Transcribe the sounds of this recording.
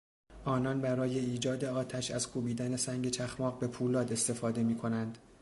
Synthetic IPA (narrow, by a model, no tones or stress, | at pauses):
ʔɒːnɒnbæɾɒːje̞iːd͡ʒɒːd̪e̞ɒːt̪ʰæʃæzkʰuːbiːd̪æne̞sæŋɟe̞t͡ʃʰæxmɒːɣbe̞pʰuːlɒːd̪e̞st̪e̞fɒːd̪e̞miːkʰo̞nænd̪̥